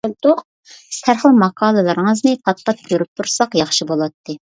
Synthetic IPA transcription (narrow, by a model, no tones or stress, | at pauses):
lt̪uq̚ | sʰæɾχəlˠmɑqʰɑːlˠɨlˠɨɾəŋəznɨt̪ʰɑt̪̚q̪ɑp̚jʲøɾyp̚t̪ʰuɾsɑqjɑχʃibolˠɑt̪ːɨ